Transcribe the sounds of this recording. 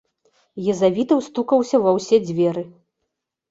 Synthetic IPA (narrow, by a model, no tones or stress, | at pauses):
jɐzavʲit̪ɐwst̪ukɐwsʲɐvɐwsʲɛd͡zʲvʲɛɾɨ